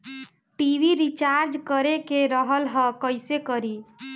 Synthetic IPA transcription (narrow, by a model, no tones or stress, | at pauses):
ʈibiɾit͡ʃaɾd͡ʒkəɾekeɾəɦəlɦə̃kəjsekəɾi